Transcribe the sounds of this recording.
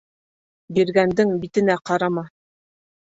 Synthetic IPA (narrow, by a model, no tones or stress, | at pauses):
biɾɡænd̪ɘŋbit̪ɘ̆næqɑɾɑmɑ